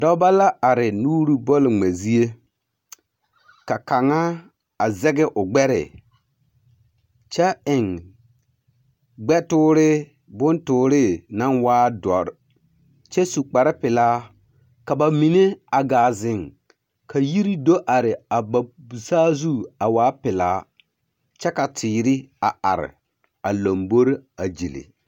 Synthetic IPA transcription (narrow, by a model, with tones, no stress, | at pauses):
dɔ˦ba˦la˦a˨ɾɪ˨nuː˦ɾi˦bɔ˦lŋ͡mɛ˨zi˦e˦ | ka˨ka˨ŋa˦ | a˨zɛ˦ɡɛ˦ʔʊ˨ɡ͡bɛ˦ɾɪ̰˨ | t͡ʃɛ˦ɪ˨ŋ | ɡ͡bɛ˦tʊː˦ɾɪ˦ | bʊ˦ntʊː˨ɾɪ˦na˦nwaː˦dɔ̰˨ɾ | t͡ʃɛ˦su˨k͡pa˨ɾɪ˦pɪ˨laː˦ | ka˨ba˨mi˨ne˦a˨ɡaː˨zɪ˦ŋ | kʰa˨ji˦ɾi˦do˦ʔa˨ɾɪ˨a˨ba˨bu˨saː˦zu˦a˨waː˨˦pɪ˨laː˦ | t͡ʃɛ˦ka˨tʰiː˨ɾɪ˦a˨a̰˨ɾɪ̰˨ | a˨lo˨mbo˦ɾa˨d͡ʒḭ˨lḭ˨